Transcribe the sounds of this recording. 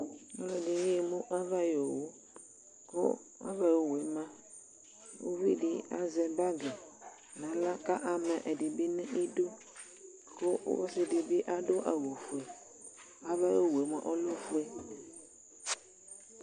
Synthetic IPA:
ɔ˦lɔ˨di˨ŋĩ˦e˨mũ˦ʔa˦va˦jo˨wo˦ | ko̰˦ | a̰˦va˦jo˨we˨˦mã˦ | wo̰˦vi˦ɖi˦a̰˨zɛ˨ba˦ɡe˨ | nã˨la˦ka˦ʔa˨mɛ˨ʔɛ˨ɖi˨bi˦nĩ˦ʔi˦du˦ | ko̰˦wɔ˦si˦di˨bi˦ʔa˦ɖo˦ʔa˨wo˨fu˨e˨ | a˦va˦jo˦we˨˦mã̰˨ʔo˦lo˦fu˦e˦

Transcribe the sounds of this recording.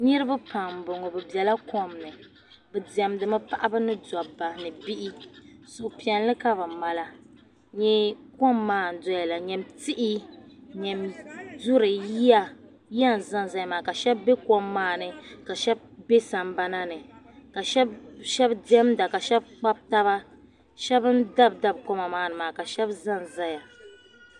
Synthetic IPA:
ɲi˦ɾɨ˦ba˦pa˨m˨bʊ˨ŋɔ˨bɨ˨bjɛ˨la˦kɔ˦mnɨ˨ | bɨ˨dɛ˨mdɨ˨mɨ˦pa˦˨ʔa˦bɨ˦nɨ˦da˨ba˨nɨ˨bi˦ʔi˦sʊ˨pi˨ɛ˨nlɨ˦ka˦bɨ˨ma˨la˨ | ɲɛ˦kɔ˦mːaː˦˨n̩˨dɔ˦ja˨la˨ɲɛ˨mti˦ʔi˦ɲɛ˨mdu˦ɾɨ˨ji˦a˨ | ji˦a˦n˨za˦n˨za˦ja˨maː˨ka˨ʃɛ˦bːe˦kɔ˦mːaː˦˨nɨ˨ka˨ʃɛ˦b̚be˦sa˨m˦ba˦na˦nɨ˨ | ka˨ʃɛ˦bʃɛ˦bdɛ˦mda˨ka˨ʃɛ˦b̚k͡pa˦b̚ta˦βa˦ | ʃɛ˦bɨ˦n˦da˦bda˦b̚kɔ˦ma˨maː˦nɨ˨maː˨ka˨ʃɛ˦bza˦nza˦ja˨

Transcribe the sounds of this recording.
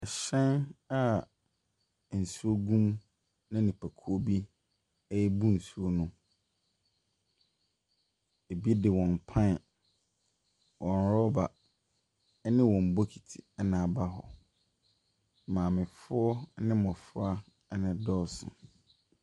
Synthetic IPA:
ɛ˨ɕɛ̃˦na˦˨ | n̩˨su˦o˦ɡũ˦m | nã˦nĩ˨pʰæ˨kʰo˦bi˦ | ɛ˦jɛ˦bu˦n̩˨su˦o˦nʊ̃˦ | e˨bi˦e˦dɪ˨wɔ̃˨m˨pʰã˦n˨ | wʔɔ̃˨nɾɔ˦ba˨˦ | nɪ̃˦wɔ̃˨m̩˨bo˦kʰi˨tʰi̥̰˨ɛ˦nã˨ba˦ɦɔ̰˨ | mãː˨mɪ̃˨fʊ˦ɔ˦nɪ̃˦mɔ̃˨fʊ˦a˦ | nɪ̃˨dɔ˦sʊ̰̃˨

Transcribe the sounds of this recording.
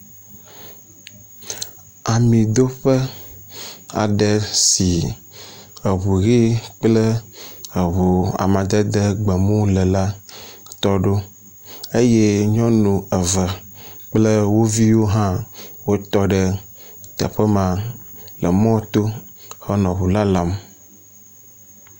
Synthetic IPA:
a˨mĩ˨d̪o˦ɸə˦ | a̰˨ɖə˨si˨ | ə˨βu˨ɣi˦k͡plə˦ə˨βo˨a̰˨mã˨d̪ə˦d̪ə˦ɡ͡bə˨mũ˦lə˨la˦t̪ɔ˦ɖo˦ | e˦je˦ɲɔ̃˦nũ˨ə˨və˨k͡plə˦wo˦vi˦wo˦ɦã˦wo˦t̪ɔ˦ɖə˦ | t̪ə̰˨ɸə˦mã˨ | lə˨mɔ̃˦t̪o˦ | hə˦nɔ̃˨βu˨la˦la˦m

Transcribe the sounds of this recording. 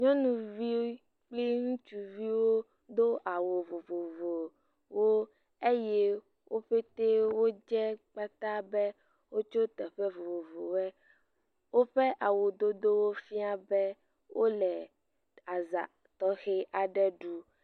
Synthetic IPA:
ɲɔ̃˦nũ˨vi˦ | k͡pli˦ŋũ˦t͡ʃu˨vi˦wo˦ | d̪o˦ʔa˨wo˨vo˨vo˨vo˨ | wo˦ | e˦je˦ | wʔo˦ɸe˦t̪e˦wo˦d͡ʒɛ˦k͡pa˦t̪a˦bɛ˦ | wo˦t͡ʃo˦t̪ɛ˨ɸɛ˦vo˨vo˨vo˨wɛ˦ | wo˦ɸe˦ʔa˨wo˨d̪o˦d̪o˦wo˦fi˦a˦bɛ˦ | wʔo˦lɛ˨ | a˨za̰˨ | t̪ɔ˦xe˦ʔa˨ɖɛ˦ɖu˦

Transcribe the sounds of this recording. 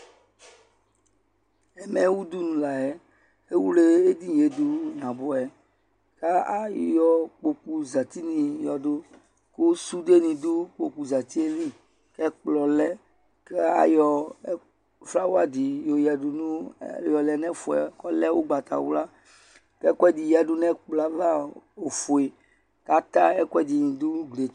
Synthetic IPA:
ɛ˨mɛ̃˨˦wu˦d̪u˦nũ˨la˨ɛ˦ | e˦wu˦le˦e˦d̪i˦je˨d̪u˦ɲã˨bo˨ɛ˨ | ka˦a˦jɔ˨k͡po˨ku˨za˨t̪i˦nĩ˨jɔ˨do˦ | ko˦su˦de˦nĩ˨d̪o˦k͡po˨ku˨za˨t̪i˦e˦lĩ˦ | kɛ˦k͡plɔ˨lɛ˦ | kɛ˦a̰˦jɔ˨˦ | fla˦wo˦a˨d̪i˨jo˨jɛ˨du˨nṵ̃˦jɔ˨lɛ˨nɛ̃˦fo˨ɛ̰˨kɔ˦lɛ˦wo˦ɡ͡ba˨t̪a̰˨wu˦la˦ | kɛ˦kɛ˦d̪i˨jɛ˨ɖu˦nɛ̃˦k͡plɔ˨a˨va˦o˨fo˨e˨ | ka˦t̪a˦ɛ˦kʷɛ˦d̪i˨ɲĩ˨d̪o˦ɡle˨˦

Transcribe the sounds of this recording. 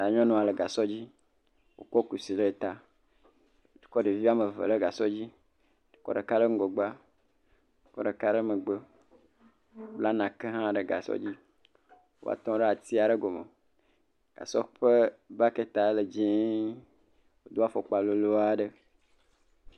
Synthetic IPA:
a˨ɲɔ̃˦nɔ̃˨a˨le˨ɡa˨sɔ˦d͡ʑi˦ | wʔo̰˨kɔ˦ku˨si˨le˦e˨t̪a˨˦ | du̥˨kɔ˦ɖe˨vi˦a˦mə˨və̰˨le˦ɡa˨sɔ˦d͡ʑi˦ | du̥˨kɔ̰˦ɖə˨ka˦lə˦ŋ̩˦ɡo˨ɡ͡ba˦ | du˨kɔ˦ɖə˨ka˦ɖə˦mə˨ɡ͡bə˦ | o˦bla˦nã˨ke˦ɦã˦ɖe˨ɡa̰˨sɔ̰˦d͡ʑi˦ | wo̰˦a̰˨t̪ɔ̃˦ɖe˦a˨t̪i˦a˨ɖe˦ɡo˨mḛ˨ | ɡ̥a̰˨sɔ˦ɸə˦ba˦ke˦t̪a˨˦le˨d͡ʒĩ˦ | wo˨˦d̪o˦a˦fɔ˨k͡pa˨lo˨lo˦a˦ɖə˦

